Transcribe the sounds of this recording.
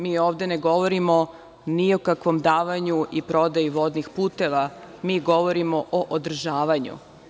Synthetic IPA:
miːoːʋd̪e̞neɡo̞ʋo̞ɾimo | niokakʋo̞md̪aːʋaɲuipɾo̞d̪ajiʋo̞d̪nixpuːt̪e̞ʋa | miːɡo̞ʋo̞ɾimo̞ʔoʔod̪r̩ʒaːʋaɲṵ

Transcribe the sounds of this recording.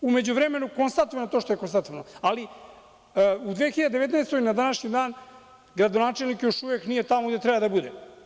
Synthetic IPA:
ume̞d͡ʑuʋɾeme̞nukonst̪at̪oʋanot̪oʃt̪o̞jekonst̪at̪oʋanoali | ud̪ʋexiʎad̪eeet̪naest̪oinad̪anaʃɲid̪aːn | ɡɾad̪onaːt͡ʃelnikjo̞ʃuʋeknije̞t̪amoɡd̪e̞t̪ɾɛbad̪abud̪ḛ

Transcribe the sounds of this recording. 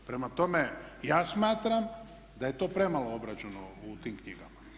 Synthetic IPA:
pɾe̞mat̪o̞mejaːsmaːt̪ɾam | d̪aje̞t̪o̞ːpɾe̞malˠoobɾat͡ʃenout̪iːmkɲiɡama

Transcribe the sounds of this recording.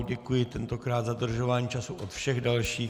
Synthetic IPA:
ɟɛkujɪt̪ɛnt̪o̞kɾaːt̪zadr̩ʒo̞vaːɲiːt͡ʃasuʔot̪fʃɛɣdalʃiː

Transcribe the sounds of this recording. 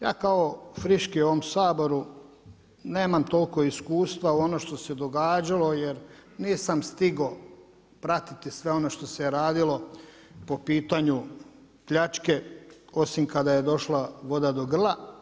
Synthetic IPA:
ja̰ːkaofɾiʃkiuo̞ʋomsaːbo̞ɾu | ne̞ːmamt̪o̞lko̞iskuːst̪ʋauo̞noʃt̪o̞sed̪o̞ɡaːd͡ʑalo̞jeɾniːsamst̪iɡo | pɾat̪it̪isʋe̞o̞no̞ʃt̪o̞seɾaːd̪ilo̞ | po̞piːt̪aɲu | pʎat͡ʃke̞o̞simkad̪aje̞d̪o̞ʃlaʋo̞d̪ad̪o̞ɡr̩lˠa

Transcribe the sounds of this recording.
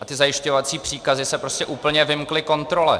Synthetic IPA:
ʔat̪ɪzajɪʃcovat͡siːpr̥iːkazɪsɛpɾo̞scɛʔuːpl̩ɲɛvɪmklɪko̞nt̪ɾo̞lɛ̰

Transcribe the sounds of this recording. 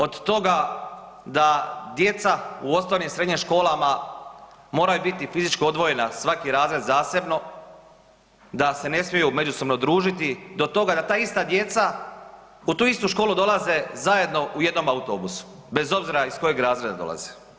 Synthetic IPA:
o̞d̪t̪o̞ɡa | d̪ad̪je̞t̪sauost̪onimsɾe̞d̪ɲimʃko̞ːlama | mo̞ːɾajubit̪ifizit͡ʃkio̞d̪ʋoje̞nasʋakiɾaːzɾe̞d̪zaːse̞bno̞ | d̪ase̞ne̞smjejume̞d͡ʒuso̞bno̞d̪ɾuːʒit̪id̪o̞t̪o̞ɡad̪at̪aːist̪ad̪je̞t̪sa | ut̪uːist̪uʃko̞ːlˠud̪o̞lˠaze̞zaje̞d̪no̞ʔuje̞d̪no̞maut̪o̞ːbusu̥ | be̞zo̞bziɾaisko̞jeɡɾaːzɾed̪ad̪o̞̰la̰ze̥

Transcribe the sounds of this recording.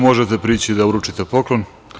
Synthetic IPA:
mo̞ʒet̪epɾiːt͡ɕid̪auɾut͡ʂit̪e̞po̞klon

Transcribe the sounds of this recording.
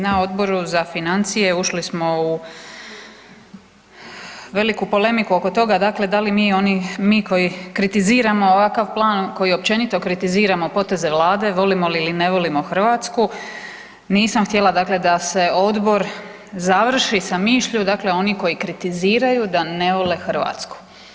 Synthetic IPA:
nao̞d̪bo̞ɾuzafinant̪sije̞uʃlismo̞u | ʋe̞likupo̞le̞mikuo̞ko̞t̪o̞ɡad̪akle̞d̪alimiːo̞nimiːko̞jikɾit̪iziːɾamo̞ːʋakaʋplˠaːnko̞jio̞p̚t͡ɕe̞nit̪o̞kɾit̪iziːɾamo̞po̞t̪e̞ze̞ʋlˠaːd̪e̞ʋo̞limo̞liːline̞ʋo̞limo̞xr̩ʋaːt̪sku | niːsamxt̪je̞lˠad̪akle̞d̪ase̞o̞d̪bo̞ɾ | zaʋr̩ʃisamiːʃʎud̪akle̞o̞niko̞jikɾit̪iziːɾajud̪ane̞ʋo̞le̞xr̩ʋa̰ːt̪sku̥

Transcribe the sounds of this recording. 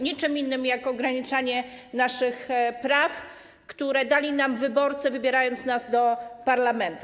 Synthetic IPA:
ɲit͡ʂɘminːɘmjakɔɡɾaɲit͡ʂaɲɛnaʂɘxpɾaf | kt̪uɾɛd̪alʲinamvɘbɔɾt̪sɛvɘbʲjɛɾajɔnt̪snazd̪ɔpaɾlamɛnt̪u

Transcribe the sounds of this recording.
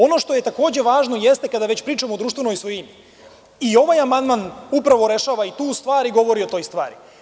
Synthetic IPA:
o̞no̞ʃt̪o̞jet̪ako̞ːd͡ʑe̞ʋaːʒnojest̪ekad̪aʋet͡ɕpɾiːt͡ʃamoːd̪uːʃt̪ʋenojsʋojimi | io̞ʋajamand̪manupɾaʋo̞ɾe̞ʃaːʋait̪uːst̪ʋaːɾiɡo̞ʋo̞ɾio̞t̪o̞ːjst̪ʋa̰ːɾi

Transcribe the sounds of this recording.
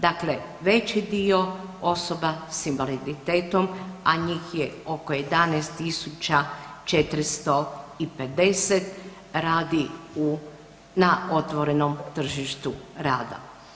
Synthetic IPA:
d̪akle̞ | ʋe̞t͡ʃid̪io̞o̞so̞basimʋalid̪it̪eːt̪o̞maɲiːxjeo̞kojed̪anɛːst̪t̪isut͡ʃat͡ʃe̞t̪ɾist̪o̞ipe̞d̪e̞set̪ | ɾaːd̪iu | nao̞t̪ʋo̞ɾe̞nomt̪r̩ʒiʃt̪uɾaːd̪a̰

